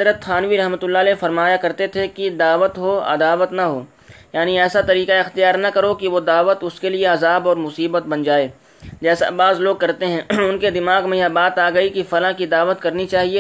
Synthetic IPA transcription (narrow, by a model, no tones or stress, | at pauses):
d̪ɾət̪ʰaːnʋiɾɐɦmət̪ʊlːaːlefɐɾmaːjakɐɾt̪et̪ʰekid̪aːʋət̪ɦoɐ̰d̪aːʋət̪nɐɦoː | jaːniɛːsat̪ɐɾiːkaɪxt̪ijaːɾnɐkɐɾokiʋod̪aːʋət̪ʊskelieɐzaːbɔːɾmʊsiːbət̪̚bɐnd͡ʒaːeː | d͡ʒɛːsa̰baːzloːɡ̚kɐɾt̪eɦɛ̃ʊnked̪ɪmaːɡmẽjabaːt̪aːɡɐikifɐlãkid̪aːʋət̪kɐɾnit͡ʃaːɦieː